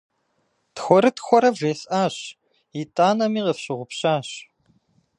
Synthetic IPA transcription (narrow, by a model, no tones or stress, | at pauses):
txʷɔɾɨtʰxʷɔɾɐvʒeːɬʔaːɕ | itʼaːnɐmiːʁɐfɕɪʁʷʊpɕaːɕ